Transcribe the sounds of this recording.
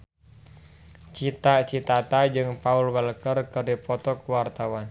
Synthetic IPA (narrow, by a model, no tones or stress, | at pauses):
t͡ʃit̪at͡ʃit̪at̪ad͡ʒɨŋpaulwəlkərkɨrdipɔt̪ɔkwart̪awan